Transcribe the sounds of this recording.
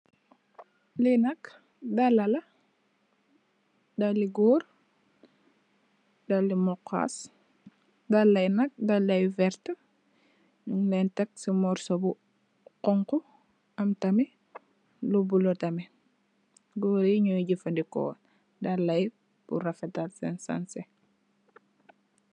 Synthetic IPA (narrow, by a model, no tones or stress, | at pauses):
linɐk | dalːɐlɐ | dalːiɡɔːɾ | dalːimɔkːa̰s | dalːɐjnɐk̚dalːɐjvɛɾtɐ | nuŋlɛntɛk̚simɔɾsobu | qɔŋkɔ | ɐmtɐmi | lubulotɐmi | ɡɔɾiɲuɟifɐndikɔ̰ː | dalːɐj | b̥ṵɾɐfɛtalsɛnsa̰nsɛ